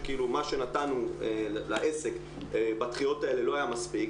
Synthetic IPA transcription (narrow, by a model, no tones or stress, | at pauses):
kiilumaʃe̞natanuelaʔese̞k | ebat̪χijo̞tae̞le̞lo̞ajamaspik